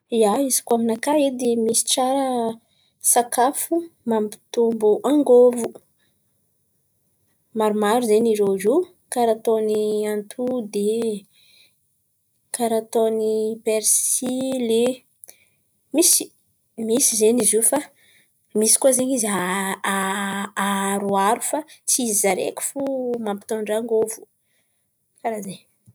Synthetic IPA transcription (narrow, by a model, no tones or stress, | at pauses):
jaizi̥kaminakaed̪emisi̥ʈ͡ʂaɾə | sakafumambi̥t̪umbuʔaŋɡovu | maɾumaɾuzeniɾeʐu | kaɾat̪oniant̪ʰud̪e | kaɾat̪onipeɾsile | misi | misizenizufa | misi̥kuazeɲizaaaɾuaɾufat͡siizizaɾḛkʲi̥fumampi̥t̪oɳɖ͡ʐaŋɡovu̥ | kaɾaze